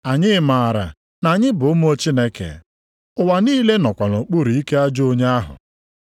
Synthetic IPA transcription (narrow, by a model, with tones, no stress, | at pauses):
a˨ɲɪ˦ma˨a˨ɾa̰˨ | na˨ɲɪ˦bʊ˨ʊ˦mʊ˦o˦t͡ʃi˦ne˦kḛ˨ | ʊ˨wa˨niː˦le˦nɔ˨kʷa˨no˨k͡pu˦ɾi˨i˦ke˦a˦d͡ʒo˦ɲe˦a˦ɦʊ̰˨